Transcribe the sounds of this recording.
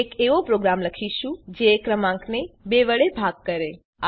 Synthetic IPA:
ekeʋopɾoɡɾamləkʰiʃũd͡ʒekɾəmãŋknebeʋəɭebʱaɡ̚kəɾe | a

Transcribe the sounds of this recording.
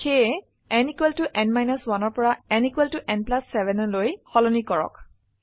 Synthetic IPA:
xe | ɛnikwɛltuʔɛnmajnɔswanɔɹpɔɹaɛnikwɛltuʔɛnplasːɛbʱɛnlojxɔlɔnikɔɹɔ̰k

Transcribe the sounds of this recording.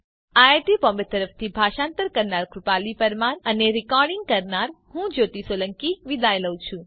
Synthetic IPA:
aeʈipɔmbət̪əɾəft̪ʰibʱaʃãnt̪əɾkəɾnaɾkɾupalipəɾmanəneɾikɔɾɖɪŋɡ̚kəɾnaɾ | ɦũd͡ʒot̪isoləŋkiʋid̪ajləwt͡ʃʰũ

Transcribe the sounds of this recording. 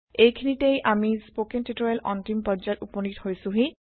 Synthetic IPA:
ejkʰinitejʔamispokentitɔɹɛlɔntimpɔzatupɔnithojsʊ̃ɦĩ

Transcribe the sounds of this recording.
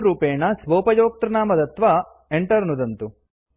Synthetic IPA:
ɾuːpeːɳɐsʋoːpɐjoːk̚t̪ɾɐnaːmɐd̪ɐt̪ʋɐ | eɳʈɐɾnud̪ɐnt̪u

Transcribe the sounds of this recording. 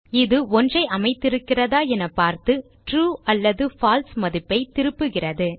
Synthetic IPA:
ɪðɯɔndrɐɪʔɐmɐɪt̪ːɪɾɯkːɪrɐðaːɛnɐpːaːɾt̪ɯ | ʈɾuːɐlːɐðɯfaːlsmɐðɪpːɐɪt̪ɪɾɯpːɯɣɪrɐðɯ

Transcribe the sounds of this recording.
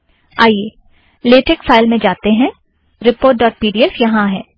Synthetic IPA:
aːjeː | leːʈekfʰaːɪlmẽd͡ʒaːt̪eɦɛ̃ | ɾɪpoːɾʈ̚ɖɔːʈ̚piːɖiɛsjɐɦãɦɛː

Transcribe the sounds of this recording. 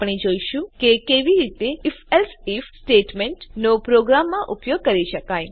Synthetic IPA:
pɳ̃id͡ʒoiʃũkekeʋiɾit̪eifɛlsifsʈeʈmɛɳʈnopɾoɡɾamːãʔʊpjoɡ̚kəɾiʃəkaj

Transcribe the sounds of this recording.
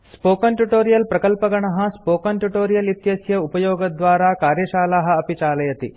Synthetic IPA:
spoːkɐnʈuʈoːɾijɐlpɾɐkɐlpɐɡɐɳɐɦɐ̆spoːkɐnʈuʈoːɾijɐlit̪jɐsjɐupɐjoːɡɐd̪ʋaːɾaːkaːɾjɐʃaːlaɦɐ̆ɐpit͡ʃaːlɐjɐt̪i

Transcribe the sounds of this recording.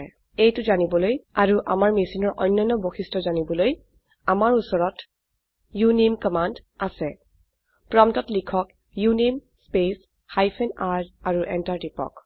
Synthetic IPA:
ejtʊzanibɔlojaɹuʔa̰maɹmisinɔɹʔɔjnːɔjnːɔboxʰistɔzanibɔloj | amaɹusɔɹɔt | junimkɔmandasɛ | pɹɔmtɔtlikʰɔk | junimspes | hajpʰɛnadaɹuʔɛntaɹtipɔ̰k

